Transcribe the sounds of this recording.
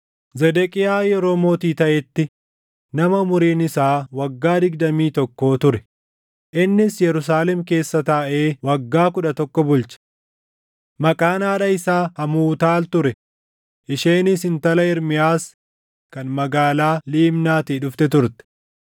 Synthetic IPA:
zɛd̪ɛkʼɪjaːjɛɾo̞ːmoːt̪iːt̪ɐʔɛt̪ːɪ | nɐmɐmʊɾiːnɪsaːwɐɡːaːd̪ɪɡd̪ɐmiːt̪ɔkːo̞ːt̪ʊɾɛ | ʔɪnːɪsjɛɾʊs̬aːlɛmke̞ːsːɐt̪ɐːʔe̞ːwɐɡːaːkʊᶑɐt̪ɔkːɔbʊlt͡ʃɐ̥ | mɐkʼaːnaːᶑɐɪsaːhɐmuːt̪aːlt̪ʊɾɛ | ʔɪʃeːnɪsɪnt̪ɐlɐɪɾmɪjaːs | kɐnmɐɡaːlaːliːmnaːt̪iᶑʊft̪ɛt̪ʊɾt̪ɛ̥

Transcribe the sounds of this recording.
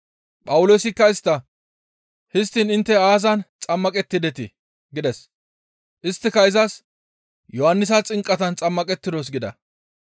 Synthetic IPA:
pʼɐwʊloːsɪkːɐɪst̪ːɐ | hɪst̪ːinɪnt̪ːɛaːzɐnt͡sʼɐmːɐkʼɛt̪ːɪd̪ɛt̪ɪ | ɡɪd̪ɛs | ʔɪst̪ːɪkɐɪzɐs | jɔhɐnːɪs̬ɐt͡sʼɪŋkʼːɐt̪ɐnt͡sʼɐmːɐkʼɛt̪ːɪd̪os̬ɡɪd̪ɐ̰

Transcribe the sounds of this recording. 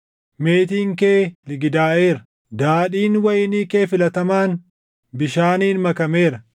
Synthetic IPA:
me̞ːt̪iːŋkeːlɪɡɪd̪aːʔe̞ːɾɐ | d̪aːᶑiːnwɐjɪniːke̞ːfɪlɐt̪ɐmaːn | bɪʃaːniːnmɐkɐme̞ːɾɐ

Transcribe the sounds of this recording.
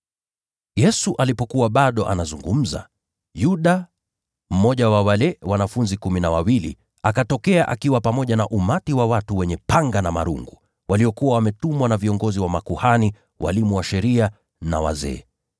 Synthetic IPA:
jɛsuʔalipɔkuwaɓaɗɔʔa̰nazuŋɡum̩za̰ | juɗa | m̩mɔʄawawalɛwanafunzikuminawawilḭ | akatɔkɛaʔakiwapamɔʄanaʔumatiwawatuwɛɲɛpaŋɡanama̰ɾṵŋɡu | wʔaliɔkuwawamɛtumwanaviɔŋɡɔziwamakuhani | wʔa̰limuwaʃɛɾia | na̰wa̰zɛ̰ː

